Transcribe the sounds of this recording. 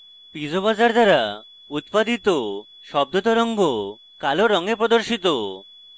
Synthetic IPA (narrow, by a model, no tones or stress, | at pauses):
pid͡ʑoβad͡ʒaɾd̪aɾa | ut̪pad̪it̪o | ʃɔb̚d̪ʱot̪ɔɾɔŋɡo | kaloɾɔŋepɾod̪oɾʃit̪o